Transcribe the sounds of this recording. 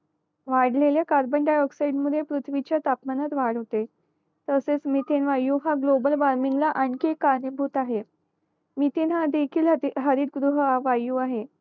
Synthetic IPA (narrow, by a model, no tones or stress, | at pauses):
ʋaɽ̤leljakaɾbəɳɖajɔksaiɖmuepɾut̪ʰʋit͡ɕjat̪apmanat̪ʋaɽɦot̪e | t̪əset͡smiːt̪enʋajuːɦaɡlobəlʋaɾmiŋɡlaʔaɳkekːaɾnəbʱuːt̪aɦe | miːt̪enɦad̪ekʰiːlɦəɾiːd̪̚ɡɾuɦəaʋajuːaɦe